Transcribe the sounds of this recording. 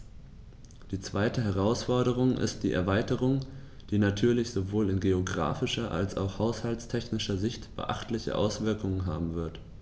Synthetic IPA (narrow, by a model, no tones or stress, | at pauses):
d̥iːt͡sv̥aɪtəɦɛʁ̞aʊsfɔɐɾəʁ̞ʊŋʔɪ̰st̚d̥ḭːʔɛɐvaɪtəʁ̞ʊŋ | d̥iːnatʰyːɐlɪçz̥ovoːlɪnɡeoɡʁa̰ːfɪʃɐʔa̰lsa̰ʊxhaʊshaltstʰɛçnɪʃɐzɪçtb̥ə̰ʔa̰χtlɪçə̰ʔa̰ʊsv̥ɪɐkʊŋənɦa̰ːbm̩vɪɐt